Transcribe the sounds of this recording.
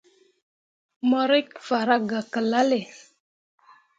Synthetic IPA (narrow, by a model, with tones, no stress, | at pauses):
mɔ˦ɾi˦kfa˨ɾa˦ɡa˨kə˨la˦le˨